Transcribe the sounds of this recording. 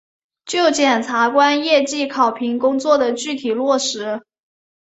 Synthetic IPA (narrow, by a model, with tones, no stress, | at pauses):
t͡ɕjo˥˩ʊt͡ɕjɛ˨˩nt͡sʰa˧˥kwa˥njɛ˥˧t͡ɕi˥˩kʰɑ˨˩ʊpʰi˧˥ŋkʊ˥ŋt͡swɔ˥˩d̪ə˩t͡ɕy˥˩t̪ʰi˨˩lwɔ˥˩ʂɻ̩˧˥